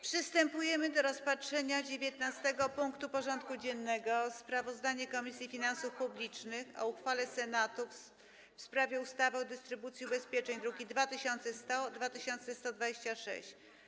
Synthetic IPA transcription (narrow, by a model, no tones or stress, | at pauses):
pʂɨst̪ɛmpujɛmɘd̪ɔɾɔspatʂɛɲad͡ʑevʲjet̪nast̪ɛɡɔpuŋkt̪upɔʐɔnt̪̚kud͡ʑɛnːɛɡɔspɾavɔzd̪aɲɛkɔmʲisʲjifʲinansufpublʲit͡ʂnɘxɔ̰uxfalɛsɛnat̪uf | fspɾavʲjɛust̪avɛɔd̪ɘst̪ɾɘbut̪sʲjiubɛspʲjɛt͡ʂɛɲd̪ɾukʲid̪vat̪ɘɕɔnt̪sɛst̪ɔd̪vat̪ɘɕɔnt̪sɛst̪ɔd̪vad͡ʑeɕt͡ɕaʂɛ̰ɕt͡ɕ